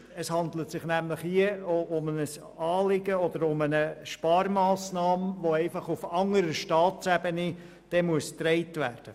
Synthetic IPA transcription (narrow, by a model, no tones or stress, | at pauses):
əshɑnd̪lətsɪχnæmləχhiəoʊmənəs | ɑːlɪɡəɔd̥̪əɾʊmənəʃpɑːɾmɑːsnɑːmʋoɛɪfɑχufɑŋəɾəʃtɑːtsæbənɪ | d̥ɛmuəst̪ɾɛɪtvæːrd̥ə